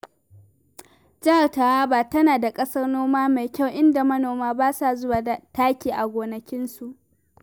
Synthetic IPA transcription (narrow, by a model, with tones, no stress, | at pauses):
d͡ʒɐ˦ha˨rta˨waː˦baː˨tɐ˦naː˨da˨kʼɐ˦sɐ˦rnoː˦maː˦ma˨jkʲa˦wʔɪ˦nda˨mɐ˦noː˨maː˦baː˦sa˨zʊ˦waː˨da˨taː˦kʲiː˨ʔa˨ɡʷoː˨nɐ˨kʲɪ˦nsu˨ʔ